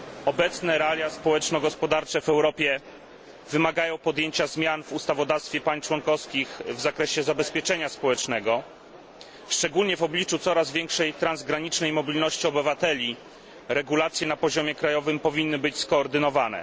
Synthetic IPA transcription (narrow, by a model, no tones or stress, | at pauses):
ɔbɛt̪snɛɾalʲjaspɔwɛt͡ʂnɔɡɔspɔd̪aɾt͡ʂɛvɛwɾɔpʲjɛ | vɘmaɡajɔ̃w̃pɔd̪jeɲt͡ɕazmʲjanvust̪avɔd̪afst̪fʲjɛpaɲst͡ʂwɔnkɔfskʲixvzakɾɛɕɛzabɛspʲjɛt͡ʂɛɲaspɔwɛt͡ʂnɛɡɔ | ʂt͡ʂɛɡulɲɛvɔblʲit͡ʂut̪sɔɾazvʲjɛŋkʂɛjt̪ɾanzɡɾaɲit͡ʂnɛjmɔbʲilnɔɕt͡ɕiɔbɘvat̪ɛlʲi | ɾɛɡulat̪sʲjɛnapɔʑɔmʲjɛkɾajɔvɘmpɔvʲinːɘbɘt͡ɕskɔːɾd̪ɘnɔvanɛ̰